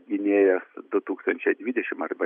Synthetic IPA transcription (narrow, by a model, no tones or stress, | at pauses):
ɡʲɪnʲeːjɛsd̪ʊt̪uːkst̪ɐnʲt͡ʃʲɛɪd̪ʲʋʲɪd̪ʲɛʃʲɪmɐrbɐ